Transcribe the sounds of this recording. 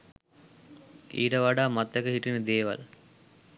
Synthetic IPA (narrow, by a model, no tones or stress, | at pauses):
ḭːʈəʋaɖaːmat̪ʋɛkəɦiʈinəd̪eːʋa̰l